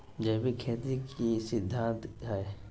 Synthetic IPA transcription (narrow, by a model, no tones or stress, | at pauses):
d͡ʒəːbikʰeːt̪ikisɪd̪ʱːãːnt̪ae